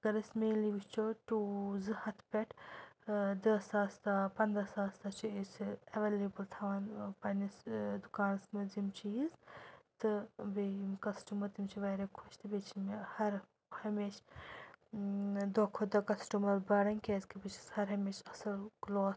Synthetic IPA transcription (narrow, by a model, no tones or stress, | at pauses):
ɡɐɾɐsmeːliʋist͡ʃoʈuːzɨhɐt̪ʰpʲeʈʰ | d̪ɐsaːst̪apɐnd̪ɾɐsaːst̪ɐt͡ʃʰuesɐʋeːleːbɨlt̪ʰɐʋaːnpɐnisd̪ukaːnsmɐzimt͡ʃiːzt̪ɨbemkɐsʈumɐɾt̪imt͡ʃʰiʋɐːɾɐkʰuʃt̪ʰɨbet͡ʃʰimehɐɾ | hɐmeːʃ | d̪okʰod̪ɐkɐsʈumɐɾbɐːɽɐnkeːzkibit͡ʃʰi̥shɐɾɦɐmeːʃɐsɐlkloːt̪